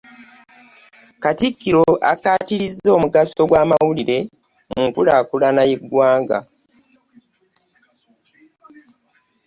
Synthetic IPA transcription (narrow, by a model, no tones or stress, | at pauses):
katikːiɾo̞ʔa̰kaːtiɾizːo̞ːmuɡaso̞ɡwaːmawuliɾe̞ | muŋkulaːkulanajeɡwaːŋɡa̰